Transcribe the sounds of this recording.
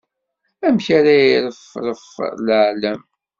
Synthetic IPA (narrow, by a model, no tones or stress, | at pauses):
æmçaɾajiɾəfɾəfləʕlæm